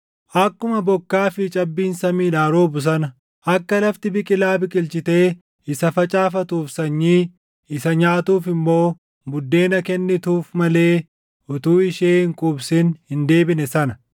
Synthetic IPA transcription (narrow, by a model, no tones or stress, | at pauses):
ʔɐkːʊmɐbɔkːaːfɪt͡ʃʼɐbːiːnsɐmiːᶑaːɾoːbʊs̬ɐnɐ | ʔɐkːɐlɐft̪ɪbɪkʼɪlaːbɪkʼɪlt͡ʃɪt̪e̞ː | ɪsɐfɐt͡ʃʼaːfɐt̪uːfsɐɲːiː | ɪsɐɲaːt̪uːfɪmːo̞ː | mʊd̪ːe̞ːnɐkɛnːɪt̪uːfmɐle̞ː | ʊt̪uːɪʃeːɪŋkʼʊbsɪnhɪnd̪e̞ːbɪnɛsɐnɐ